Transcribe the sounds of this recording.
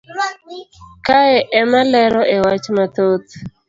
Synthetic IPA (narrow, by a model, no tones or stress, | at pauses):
kaɛʔɛmalɛɾɔʔewat͡ʃmat̪ot̪